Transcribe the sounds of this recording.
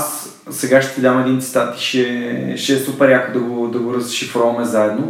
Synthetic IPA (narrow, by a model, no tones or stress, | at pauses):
s | sɛɡaʃt̪t̪ɛd̪ʲamɛd̪int̪si̥t̪at̪i̥ʃɛʃɛːsupɛɾjakʊd̪ɐɡod̪ɐɡʊɾəzɾiʃifɾɔvɐmɛzaɛd̪no